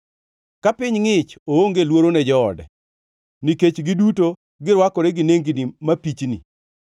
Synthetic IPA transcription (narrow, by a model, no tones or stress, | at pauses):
kapɪɲŋɪt͡ʃooŋɡelwoɾonɛd͡ʒɔɔ̰dɛ̰ | niket͡ʃɡɪduto | ɡɪɾwakɔɾɛɡɪneŋɡinimapit͡ʃnḭ